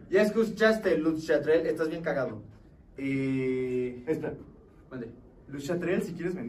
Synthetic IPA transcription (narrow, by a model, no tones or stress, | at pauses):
jaeskut͡ʃast̪elut̪ʃat̪ɾelest̪azβje̞ŋkaɣaðo̰ | e | espa | and̪e | luʃat̪ɾelsikjeɾezβen